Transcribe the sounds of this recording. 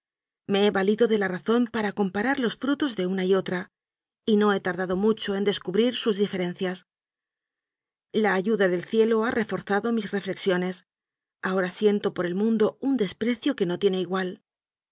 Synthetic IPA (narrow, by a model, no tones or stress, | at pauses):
me̞eβaliðo̞ðe̞laraθo̞mpaɾako̞mpaɾaɾlo̞sfɾut̪o̞zðe̞unaio̞t̪ɾa | ino̞e̞t̪aɾðaðo̞mut͡ʃo̞e̞nd̪e̞skuβɾiɾsuzðife̞ɾẽ̞n̟θjas | laːʝuðaðe̞lθje̞lo̞arʔe̞fo̞ɾθaðo̞misre̞fle̞ksjo̞ne̞s | ao̞ɾasje̞nt̪o̞po̞ɾe̞lmũnd̪o̞und̪e̞spɾe̞θjo̞keno̞t̪je̞ne̞iɣwal